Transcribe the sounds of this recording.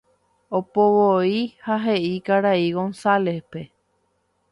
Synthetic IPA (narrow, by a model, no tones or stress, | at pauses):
opoʋoihaɦe̞ʔikaɾaiɡo̞nsalehpe̞